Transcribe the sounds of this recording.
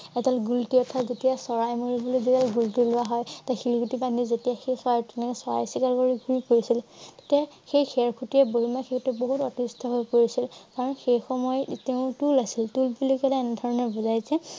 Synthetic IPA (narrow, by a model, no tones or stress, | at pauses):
ɛtalɡultiɔtʰazetijasɔɹajmoɹibolojzetalɡultilʊaɦɔjtajxilkʰutipanizetijaxejsɔajtɛnɛkɛsɔɹa̰jsikalkoɹiɡʱuɹipoɹisilte̥tia | xejxɛɹkʰutiɛboɦimaxʰekʰtuboɦutɔtistʰɔɦojpoɹisilkaɹɔnxejxɔmɔjteʊ̃tulasiltulbilokɛlaɛnɛdʱɔɹɔnɔɹbɔzajsɛ